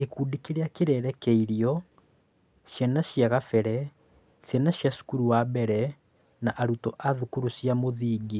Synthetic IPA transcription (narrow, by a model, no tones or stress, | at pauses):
ekuːdikeɾeakeɾɛɾɛkɛiɾiɔ | ʃjɛnaɕjaɣafɛɾɛ | sjɛnaɕjasu̥kuɾuwabɛɾɛ | naʔaɾutɔʔaðukuɾusjamoðiːɡi